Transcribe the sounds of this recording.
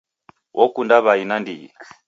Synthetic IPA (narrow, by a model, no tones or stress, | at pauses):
wʔɔkundaβainandiḭ